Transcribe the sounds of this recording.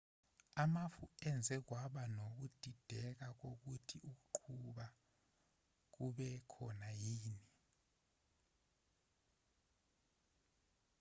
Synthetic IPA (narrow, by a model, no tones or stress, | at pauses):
amafuɛnd͡zʱɛk̬waɓanok̬ud̥ʱid̥ʱɛk̬ak̬ok̬utʰiʔuk̬uǃʰuɓa | k̬uɓɛkʰɔnajiːni